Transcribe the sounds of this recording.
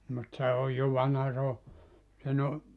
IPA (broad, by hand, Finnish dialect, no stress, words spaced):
mut se oj jo ʋɑnhɑ se o sen o